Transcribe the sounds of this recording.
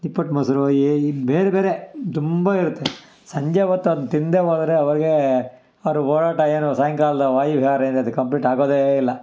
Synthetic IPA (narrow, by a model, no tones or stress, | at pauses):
d̪ipːɐʈmɐsɐɾjebeːɾebeːɾet̪umbɐiɾut̪ːe | sɐɲd͡ʒɐʋɐt̪ːuɐnut̪ind̪eɦoːd̪ɐɾeɐʋɐɾiɡe | ɐʋɐɾuoːɭaːʈɐeːnusaːjɐŋkaːlɐd̪ɐʋaːjiʋiɦaːɾɐend̪eɐd̪ukɐmpliːʈaːɡoːd̪eilːɐ